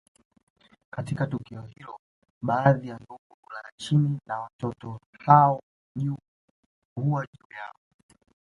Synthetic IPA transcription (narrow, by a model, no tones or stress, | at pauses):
katikatukiɔhilɔ | ɓaːðijanduɡuulaɾat͡ʃiminawatɔtɔhaɔ | ʄu | huwaʄuːja̰ɔ